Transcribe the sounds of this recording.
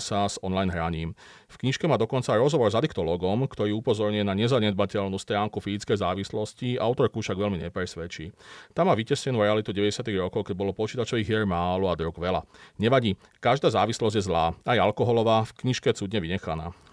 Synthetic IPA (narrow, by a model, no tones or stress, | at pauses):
sazɔnlajnɦɾaɲiːm | fkɲiʃkɛmaːd̪ɔkɔnt͡saɾɔzɦɔʋɔɾzad̪ikt̪ɔlɔːɡɔmkt̪ɔɾiːupɔzɔɾɲujɛnaɲɛzaɲɛd̪̚bacɛʎnuːst̪ɾaːŋkufizit͡skɛjzaːʋislɔsciʔa̰ʊt̪ɔɾkufʃaɡʋɛlmiɲɛpɾɛsʋɛt͡ʃiːt̪amːaːʋicɛscɛnuːɾɛalit̪uɟɛʋɛɟɛsɪat̪iɣɾɔkɔʊkɛɟ̚bɔlɔpɔt͡ʃiːt̪at͡ʃɔʋiːɣɛɾmaːluad̪ɾuɡʋɛla̰ɲɛʋaɟiː | kaʒd̪aːzaːʋislɔzɟjɛzlaːajalkɔɦɔlɔʋaːfkɲiʃkɛt͡suːd̪ɲɛʋiɲɛxana̰ː